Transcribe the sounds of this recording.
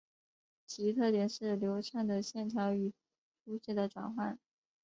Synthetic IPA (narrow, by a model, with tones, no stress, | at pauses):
t͡ɕʰi˧˥t̪ʰɤ˥˩t̪jɛ˨˩ʂɻ̩˥˩ljo˧˥ʊʈ͡ʂʰa˥˩nd̪ə˩ɕjɛ˥˩nt̪ʰjɑ˧˥ʊy˨˩ | ʈ͡ʂʰu˥ɕɛ˥d̪ə˨˩ʈ͡ʂwa̰˨˩nxwa˥˩n